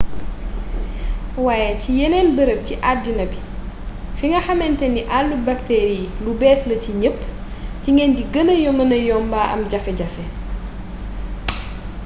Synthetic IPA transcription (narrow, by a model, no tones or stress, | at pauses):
waːjɛcijɛnɛːnbəɾəp̚ciʔadːinɐbi | fiŋɡɐxɐmɛntɛndiʔalːubɐktɛːɾilubɛːslɐciɲəpːciŋɡɛndiɡənɐjɔmɐnɐjɔːmbaːʔɐ̰mɟɐfɛɟɐfɛ